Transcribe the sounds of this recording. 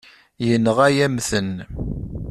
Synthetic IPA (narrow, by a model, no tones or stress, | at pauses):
jənəʁæjæmθən